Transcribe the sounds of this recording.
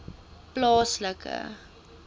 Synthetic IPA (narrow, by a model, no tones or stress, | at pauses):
plɑːsləkʰə̰